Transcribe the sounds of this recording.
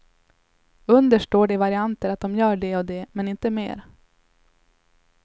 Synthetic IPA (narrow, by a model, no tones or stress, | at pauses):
ɵnd̪əʂʈoːɖɛvaɾɪant̪əɾat̪̚d̪ɔmjœːɖɛɔd̪ɛmɛnɪnt̪əmḛːɾ